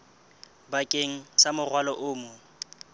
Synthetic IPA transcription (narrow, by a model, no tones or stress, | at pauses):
bakʼeŋ̩samʊrwalɔʔʊːmʊ